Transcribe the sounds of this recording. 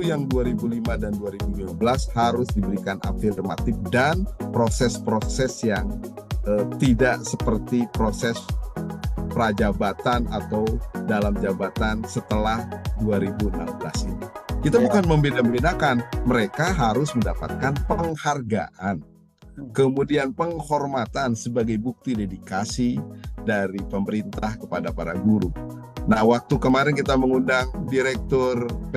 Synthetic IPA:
ujaŋduaɾibulimadanduaɾibulimabəlashaɾʊsdibəɾikanʔa̰firma̰t̪ɪfdanpɾosɛspɾosɛsjaŋʔət̪idaʔsəpərt̪ipɾosɛs | pɾad͡ʒabat̪anat̪awdalamd͡ʒabat̪ansət̪əlahduaɾibuənambəla̰sḭnikit̪abukanməmbedaməbinakanməɾekaɦaɾʊsməndapa̰t̪̚kanpəŋharɡa̰ʔan | kəmudianpəŋhɔrmat̪ansəbaɡajbuk̚t̪idedikasidaɾipəməɾint̪ahkəpadapaɾaɡuɾu | nahwak̚t̪ukəmaɾɛnkit̪aməŋundaŋdiɾɛk̚t̪ɔr

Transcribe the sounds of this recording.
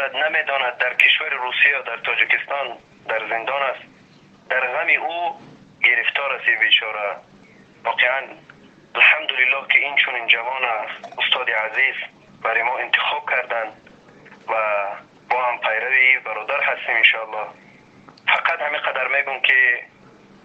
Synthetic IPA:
ad̪named̪ɔnad̪̚ːaɾkʰiʃvaɾiɾusijad̪aɾt̪ʰɔd͡ʒikist̪ɔn | d̪aɾzind̪ɔnas | d̪aɾʁamiʔu | ɡiɾift̪ʰɔɾasibit͡ʃʰɔɾa | vɔqʰeʕan | alħamd̪ulilːɔhkʰiint͡ʃʰunind͡ʒavɔnasust̪ʰɔd̪iʕaziz | baɾɔjmɔint̪ʰi̥χɔb̚kʰaɾd̪and̪ | va | bɔhampʰajɾavibaɾɔd̪aɾhast̪iminʃɔalːɔh | faqʰat̪hamiqʰad̪aɾmeɡumkʰi

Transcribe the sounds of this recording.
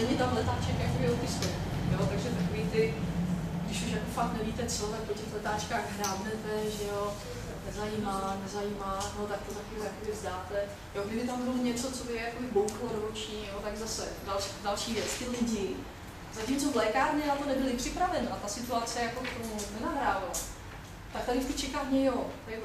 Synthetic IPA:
nɛmɲɛt̪amlɛt̪aːt͡ʃɛkjakobɪjɛlkɪsɛt̪jot̪aɡʒɛt̪akoviːt̪ɪ | ɡdɪʃuʃjako̞fak̚t̪nɛviːt̪ɛt͡solɛpɾocɛxlɛt̪aːt͡ʃkaːɣɦɾaːbnɛt̪ɛʒɛjo | nɛzajiːmanɛzajiːmaːnot̪ak̚t̪ot̪akɪɦojakobɪvzdaːt̪ɛ | joɡdɪbɪt̪ambɪloɲɛt͡so̞t͡sobɪjakobɪbowxlodoɾot͡ʃɲiːjot̪aɡzasɛdalʃdalʃiːvjɛt͡st̪ɪlɪɟɪ | zacimt͡so̞vlɛːkaːɾɲɛnat̪o̞nɛbɪlɪpr̥ɪpɾavɛnat̪asɪt̪uat͡sɛjako̞kt̪omunɛnaɦɾaːval | t̪ak̚t̪aɾɪskɪt͡ʃɛkaːvɲɛjot̪

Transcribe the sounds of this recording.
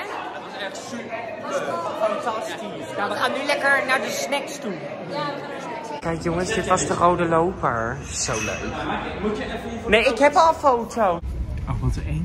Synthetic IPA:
ɔsɛs | ɑntɑsti | ʋəχaːnylɛkəɹnaɹdəsnɛkstu | kɛjkjoŋəsdɪtʋɑsdərowdəlowpəɹ | sowlø̰ɥk | neɪkɦɛpɔlˠfowtʰowɔʋɔtəen

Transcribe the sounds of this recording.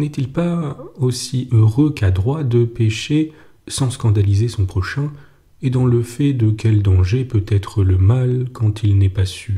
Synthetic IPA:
nɛt̪ilpaosiøʁøkad̪ʁwad̪əpeʃe | sɑ̃skɑ̃d̪alizesɔ̃pχɔʃɛ̃ | ed̪ɑ̃ləfɛd̪əkʲɛld̪ɑ̃ʒepøt̪ɛt̪χələmalkɑ̃t̪ʰilnɛpasy

